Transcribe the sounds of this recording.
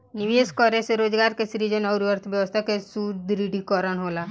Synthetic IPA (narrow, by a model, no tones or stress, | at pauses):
niʋeskɔɾeseɾod͡ʒɡaɾkesɾid͡ʒənɔwɾuəɾt̪ʰbjəʋɔst̪ʰakesud̪ɾiɽʱikɔɾənɦola